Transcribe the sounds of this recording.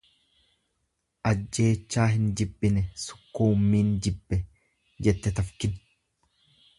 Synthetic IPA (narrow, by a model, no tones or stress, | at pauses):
ʔɐd͡ʒːe̞ːt͡ʃːaːɦɪnd͡ʒɪbːɪnɛsʊ̥kːuːmːiːnd͡ʒɪbːɛ | d͡ʒɛt̪ːɛt̪ɐfkɪn